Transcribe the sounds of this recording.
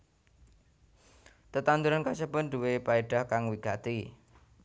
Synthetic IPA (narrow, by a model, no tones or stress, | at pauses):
t̪ət̪and̪uɾankasəpənd̪uwepaeɖ̥ahkaŋwiɡat̪i